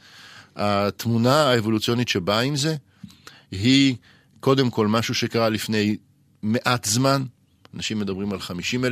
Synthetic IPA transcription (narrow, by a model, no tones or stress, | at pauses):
at̪munaaevo̞lut͡sijo̞nitʃe̞baimze̞ | ɦi | ko̞de̞mko̞lmaʃuʃe̞kaʁalifne̞j | me̞ʔat̪zman | anaʃimːe̞d̪ɐbʁimalχamiʃimel